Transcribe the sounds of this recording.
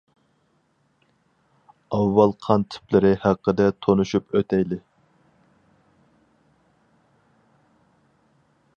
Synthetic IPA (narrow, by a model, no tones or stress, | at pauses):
ɑvːɑlˠqʰɑnt̪ʰɪ̥plɪɾɪhæqːəd̪ɛt̪ʰonuʃupøt̪ɛjlɪ